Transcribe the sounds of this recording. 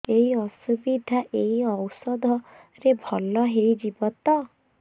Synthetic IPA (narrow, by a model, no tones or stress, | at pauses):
eɦiɔsubid̪ʱaʔeiɔwsɔd̪ʱɔ | ɾebʱɔlɔɦejd͡ʒibɔt̪ɔ